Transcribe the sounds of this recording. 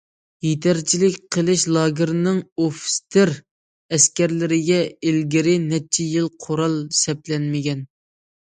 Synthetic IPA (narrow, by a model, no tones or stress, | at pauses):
jet̪ʰæɾt͡ʃʰilɪkʲqʰəlˠɪʃlˠɑːɡʲɪɾnɨŋofst̪ʰɪɾ | ɛskʲɛɾlɪɾɪɡʲɛelɡʲɪɾɪnɛt͡ʃʰɛjɪlˠqʰoɾɑlˠsɛplɛnmɪɡʲɛn